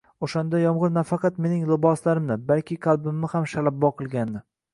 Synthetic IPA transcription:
oʃand̪ajɒmʁɨɾnafɑqɑt̪me̞nɪŋlˠɪbɒslaɾɪmnɪbalkʲʰɪqʰɑlˠbɪmːɪhamʃalabːɒqʰɨlˠɡʲanːɪ

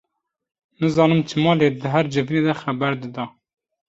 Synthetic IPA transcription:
nɨzɑːnɨmt͡ʃʰɨmɑːleːd̪ɨɦæɾd͡ʒɨvineːd̪ɛxæbæɾd̪ɨd̪ɑː

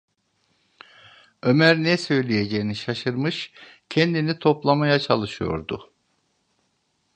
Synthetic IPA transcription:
ø̞mæɾnɛsø̞jlʲijed͡ʒejiniʃaʃɯɾmɯʃcʰɛnd̪init̪ʰo̞plˠamajat͡ʃʰalˠɯʃɯjo̞̰ɾd̪ʊ̰

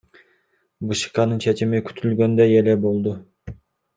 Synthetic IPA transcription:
bɯʃɯ̥qɑnɯnt͡ʃʰet͡ʃimikʲʰy̥t̪ʰylɡø̞nd̪øjelebolˠd̪u

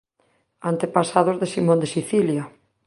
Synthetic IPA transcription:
ant̪epasaðozðesimõnd̪esiθilja

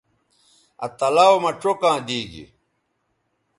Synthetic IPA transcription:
ɐ̰t̪ɐlawomɐʈ͡ʂokãːd̪iːɡḭ

